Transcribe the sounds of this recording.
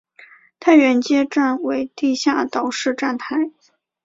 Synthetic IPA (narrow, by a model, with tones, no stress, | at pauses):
t̪ʰa˥˩ɪɥɛ˧˥nt͡ɕjɛ˥ʈ͡ʂa˥˩nwe˧˥ɪt̪i˥˧ɕja˥˩t̪ɑ˨˩ʊʂɻ̩˥˧ʈ͡ʂa˥˩nt̪ʰa˧˥ɪ